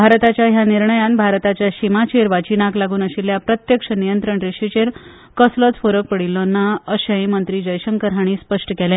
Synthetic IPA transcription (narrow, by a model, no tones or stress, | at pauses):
bʱaɾt̪at͡ɕjaɦjaniɾɳəjanbʱaɾt̪at͡ɕjaɕimat͡ɕeɾʋat͡ɕinaklaɡuːnəɕiljapɾət̪jəkʂənijənt̪ɾəɳɾiɕit͡ɕeɾ | kəslət͡sfoɾək̚pəɽilːonːaəɕə̃j̃mənt̪ɾiːd͡ʑəjɕəŋkəɾɦaɽ̃iːspəʂʈəkɛlɛ̃